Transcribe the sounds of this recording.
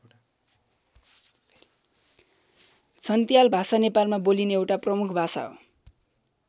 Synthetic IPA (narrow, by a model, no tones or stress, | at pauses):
t͡sʰʌnt̪ijalbʱasanepalmabolinʌewʈaprʌmukʰbʱasa̰ɦo̰